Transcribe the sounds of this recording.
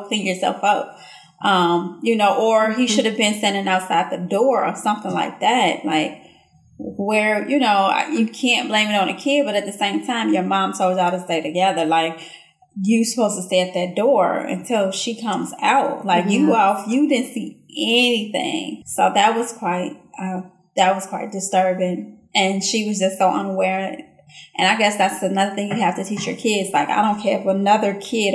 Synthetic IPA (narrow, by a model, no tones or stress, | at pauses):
klɪ̃ŋjə˞sɛ̰lˠfʌp̚ | ʔʌ̃mjɨnoʊʔə˞iʃʊɾɨvbɨ̃nsɛ̃nɪ̃ŋaʊtsat̪̚ðɨdɔɹə̰˞sʌ̃mθɪ̃ŋla̰ɪk̚ðæt̚la̰ɪk | wə˞jɨnoʊa̰jɨkʰæ̃nb̥lẽɪ̃mɨɾ̃n̩ɨkʰɪbʌɾɨt̪̚ðɨsẽɪ̃mtʰãɪ̃mjə˞mɑ̃msowzaʊɾɨsteɪɾɨɡɛðə˞laɪk̚ | jɨsə̥pʰoʊz̥tʰəsteɪɨt̪̚ðɨt̚d̥ɔɹɨ̰̃ntʰɪlˠʃikʰʌ̃mza̰ʊt̚laɪkjɨɔlˠfjɨdɪdⁿn̩tsiɛniθɪ̰̃ŋsoʊðɨt̚wʌz̥kʰw̥aɪt̚ʔʌ̃ | ðɨt̚wʌz̥kʰw̥aɪt̚d̥ɨstɜ˞bɪ̃ŋʔɨ̃nʃiwʌzd͡ʒʌstsoʊʔʌ̰̃nəwɛɹɪ̰̃ | ʔɨ̃naɪɡɛsðætsɨnʌðə˞θɪ̃ŋjɨæftɨtʰit͡ʃjə̰˞kʰɪdz̥laɪka̰ɪɾõʊ̃nkʰɛɹɨfənʌðə˞kʰɪɾ